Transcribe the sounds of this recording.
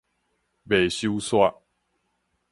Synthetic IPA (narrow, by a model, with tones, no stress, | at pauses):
be˨˩ɕju˦swa˦˧